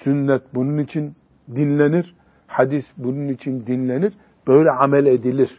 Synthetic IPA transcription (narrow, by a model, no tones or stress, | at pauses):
synːɛt̪̚bununit͡ʃʰin | d̪inlʲeniɾ̥ | had̪isbununit͡ʃʰind̪inlʲeniɾ | b̥ø̞jlʲɛamɛlʲed̪ilʲiɾ̥